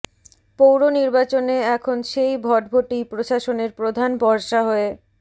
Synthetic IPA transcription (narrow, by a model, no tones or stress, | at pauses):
powɾoniɾbat͡ɕoneɛkʰonʃejbʱɔʈ̚bʱoʈipɾoʃaʃoneɾpɾod̪ʱanbɔɾʃaɦɔe